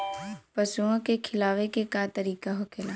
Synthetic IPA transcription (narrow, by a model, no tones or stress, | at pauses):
pɐsuõkekʰɪlaːʋekekat̪ɐɾiːkaɦokʰelaː